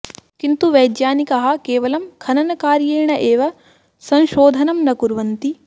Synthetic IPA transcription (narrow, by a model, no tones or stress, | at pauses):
kint̪uʋɐjd̪jaːnikɐɦɐ̆keːʋɐlɐmkʰɐnɐnɐkaːɾjeːɳɐʔeːʋɐ | sɐ̃ñʃoːd̪ʱɐnɐmnɐkuɾʋɐnt̪i